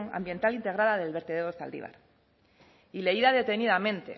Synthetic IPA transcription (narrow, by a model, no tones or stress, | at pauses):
ŋa̰mbje̞nt̪alint̪e̞ɣ̞ɾaðaðe̞lβe̞ɾt̪eðeost̪a̰ld̪ḭβa̰ɾ | ile̞iðaðe̞t̪e̞niðamẽ̞nt̪e̞̰